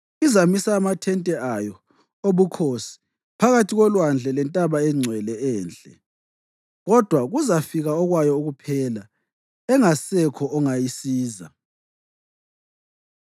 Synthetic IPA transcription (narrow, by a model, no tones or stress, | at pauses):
izamisaːmatʰɛntʼɛajɔ | oβukʰosi̥ | pʰaɣatʰiɣɔlwand͡ɮʱɛlɛntʼaβaɛŋ͡ǀʱwɛlɛɛːnd͡ɮʼɛ̰ | ɣɔd̥ʱwaɣuzafiɣaɔɣwajɔuɣupʰɛːla | ɛŋasɛkʰɔʔɔŋajisiːza̰